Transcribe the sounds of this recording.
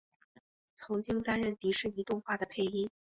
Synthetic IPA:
t͡sʰʊ˧˥ŋt͡ɕi˥ŋt̪a˥nɻə˥˩nt̪i˧˥ʂɻ̩˥˩i˧˥t̪ʊ˥˧ŋxwa˥˩d̪ə˩pʰe˥˩ɪi˥n

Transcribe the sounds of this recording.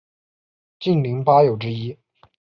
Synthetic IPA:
t͡ɕi˥˩nli˧˥ŋpa˥jo˨˩ʊʈ͡ʂɻ̩˥i˥

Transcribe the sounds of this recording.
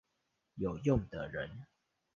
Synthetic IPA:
jo˨˩ʊjʊ˥˨ŋd̪ə̰˨ɻə˧˨˦n

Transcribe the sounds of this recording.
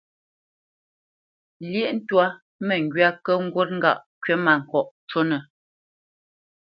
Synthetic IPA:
ljɛ˦˨ʔn̩˦twa˦ | mɛ˨ŋ̩˨ɡɥa˦kə˦ŋ̩˦ɡwo˦t̚ŋ̩˦ɡa̰˦˨ʔkɥɛ˦ma˨ŋ̩˨kɔ˨ʔt͡ʃo˦nə˨

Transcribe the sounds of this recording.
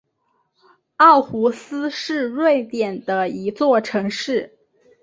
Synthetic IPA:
ɑ˥˩ʊxu˧˥sɹ̩˥ʂɻ̩˥˧ɻwe˥˩ɪt̪jɛ˨˩nd̪ə˦i˧˥t͡swɔ˥˩ʈ͡ʂʰɤ˧˥ŋʂɻ̩˥˩

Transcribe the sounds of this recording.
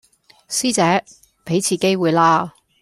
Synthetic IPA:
siː˥t͡sɛː˨˥ | pe˨˥jt͡sʰiː˨ke˥jwuː˨˩jlaː˧

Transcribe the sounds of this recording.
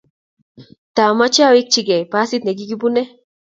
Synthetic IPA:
t̪a˨ma˦t͡ʃa˦wi˦k̚t͡ʃiɡɛ˨jpa˦si˦t̪̚nɛ˨ɡi˦ɡi˦bunɛ˦

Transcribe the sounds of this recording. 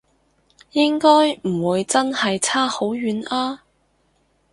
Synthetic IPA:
jɪ˥ŋkɔː˥jm̩˨˩wuː˨˧jt͡sɐ˥nhɐ˨jt͡sʰaː˥ho˨˥wjyː˨˥naː˥

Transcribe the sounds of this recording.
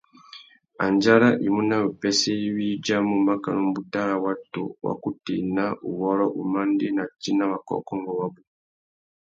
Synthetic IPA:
a˨nd͡ʒa˦ɾa˦ʔi˨mu˦na˦u˨pɛ˦sɛ˦i˦wi˦d͡ʒa˦mu˨ma˦ka˨nu˦m˦bu˨ta˦ɾa˨wa˦tṵ˨wa̰˨ku˦ti˨na˦u˨wɔ˦ɾɔ˦ʔu˨ma˦ndi˦na˨t͡ʃi˦na˦βa˨kɔ̰˦kɔ˦ŋɡɔ˨wa˦bu˨

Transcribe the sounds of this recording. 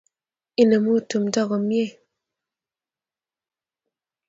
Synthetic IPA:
i˦nə˨mu˦˨tu˨m˦dɔ˦ɣɔ˨mje˦˨

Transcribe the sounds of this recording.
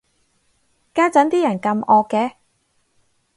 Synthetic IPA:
kaː˥t͡sɐ˨˥nt̪iː˥jɐ˨˩nkɐ˧mɔː˧kːɛː˧

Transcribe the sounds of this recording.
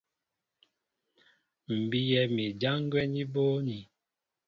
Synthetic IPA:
m̩˨bi˦jɛ˨mi˨d͡ʒa˦ŋ˦ɡwɛ˦ni˦bo˦ni˨

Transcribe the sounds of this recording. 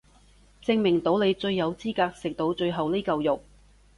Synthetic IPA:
t͡sɪ˧ŋmɪ˨˩ŋt̪o˨˥wle˨˧jt͡ʃɵ˧ɥːɐ˨˧wt͡siː˥kaː˧k̚sɪ˨k̚t̪o˨˧wt͡ʃɵ˧ɥɦɐ˨wli˥kɐ˧wjʊ˨˩k̚

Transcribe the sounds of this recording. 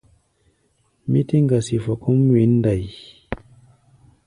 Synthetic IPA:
mi˦ti˦ŋ˦ɡa˨si˨fo˨ku˦m˦wi˨˦n˦da˨j

